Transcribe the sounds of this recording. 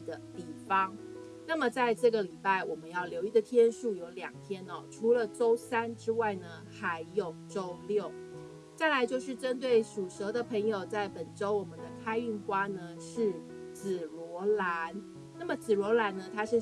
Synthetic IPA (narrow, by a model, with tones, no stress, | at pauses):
d̪ə˩t̪i˥˩fɑ˦ŋ | na˥˩mə˨˩t͡sa˥˧ɪʈ͡ʂɤ˥˩ɡə˩li˨˩pa˥˩ɪwɔ˨˩mə˦njɑ˥˩ʊljo˧˥ʊi˥˩d̪ə˨t̪ʰjɛ˥nʂu˥˩jo˧˥ʊljɑ̰˨˩ŋt̪ʰjɛ˥nɔ˨ʈ͡ʂʰu˧˥lə˨ʈ͡ʂo˥ʊsa˥nʈ͡ʂɻ̩˥wa˥˩ɪnə˩xa˧˥ɪjo˨˩ʊʈ͡ʂo˥ʊljo˥˨˩ʊ | t͡sa˥˩ɪla˧˥ɪt͡ɕjo˥˧ʊʂɻ̩˥˩ʈ͡ʂə˥nt̪we˥˩ɪʂu˨˩ʂɤ˧˥d̪ə˨pʰə˧˥ŋjo˨ʊt͡sa˥˩ɪpə˨˩nʈ͡ʂo˥ʊwɔ˨˩mə˦nd̪ə˧kʰa˥ɪy˥˩nkwa˥nə˧ʂɻ̩˥˩ | t͡sɹ̩˨˩lwɔ˧˥la˧˥n | na˥˩mə˨˩t͡sɹ̩˨˩ɻwɔ˧˥la˧˥nnə˧t̪ʰa˥ʂɻ̩˥˩